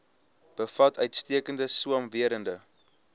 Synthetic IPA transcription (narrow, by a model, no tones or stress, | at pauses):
b̥əfɐtœɥtstiəkəndəsuəmviəɾəndə